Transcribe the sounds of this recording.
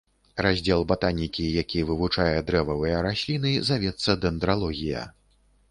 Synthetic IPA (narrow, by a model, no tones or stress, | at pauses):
ɾazʲd͡zʲɛlˠbat̪anʲikʲijakʲijvɨvut͡ʂajɛd̪ɾɛvɐvɨjɐɾasʲlʲinɨzavʲɛt̪sːɐd̪ɛnd̪ɾalˠɔɣʲijɐ̰